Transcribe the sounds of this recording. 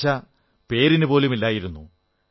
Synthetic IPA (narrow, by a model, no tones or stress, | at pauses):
ɐ | pe̞ːɾinupo̞ːlumilːaːjiɾunːu